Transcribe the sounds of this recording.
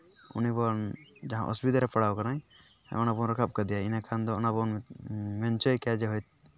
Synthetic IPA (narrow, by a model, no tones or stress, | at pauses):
ṵnibɔnd͡ʒaɦã̰ʔɔ̰sbid̪aɾɛpaɽawkanaj̰ | ɔnabɔnɾɔkʰap̚kad̪ijainakʰand̪ɔɔnabɔnmɛnt͡ʃɔjkad͡ʒɛɦɔjt̪̚